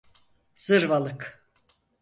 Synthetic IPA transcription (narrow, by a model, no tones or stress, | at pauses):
z̥ɯɾvalˠɯk